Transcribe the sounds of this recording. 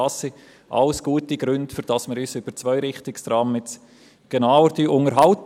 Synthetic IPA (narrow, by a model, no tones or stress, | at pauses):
ɑsːi | ʔɑ̰lsɡ̥uːətiɡ̥ɾʏndfʏɾd̥ɑsməɾyːsʏb̥əɾt͡svœʏɾɪχtɪkstɾɑːmmɪt͡s | ɡ̥enawəɾd̥iʔʊŋəɾɦɑlt